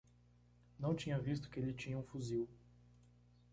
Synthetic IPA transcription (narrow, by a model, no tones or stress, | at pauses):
nɐ̃w̃t͡ʃĩɲɐvist̪ʊ̥kɪelɪt͡ʃĩɲɐũfuziw